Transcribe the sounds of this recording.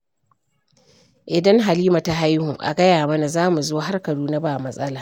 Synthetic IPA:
ʔɪ˨dɐ˦ŋɦa˨liː˦ma˨ta˨ɦa˦jhu˨ʔa̰˨ɡɐ˦jaː˨mɐ˦na˨zaː˦mu˨zoː˦ɦa˦rkɐ˨ɽuː˦na˦baː˨mɐ˦sʼɐ˦laː˨

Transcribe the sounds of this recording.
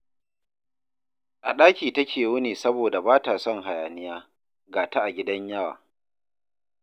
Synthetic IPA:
ʔa˨ɗaː˦kʲiː˨tɐ˦kʲʰeː˨wʊ˦niː˨sɐ˦boː˨da˨baː˦taː˨sɔ˦˨ŋɦa˨jaː˨nɪ˦jaː˦ | ɡaː˨ta˦ʔa˨ɡʲɪ˦dɐ˦ɲjɐ˦wa̰ː˨

